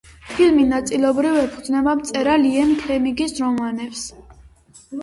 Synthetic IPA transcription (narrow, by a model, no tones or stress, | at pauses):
pʰilminat̪sʼilˠɔbɾivɛpʰud̪znɛbamt̪sʼɛɾaliɛnkʰlɛmiɡisɾɔmanɛps